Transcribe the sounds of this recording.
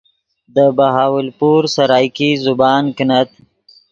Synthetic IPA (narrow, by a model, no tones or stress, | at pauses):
d̪əbaɦɑːwɪlpuɾsaɾɑːjkizʊbɑːnknat̪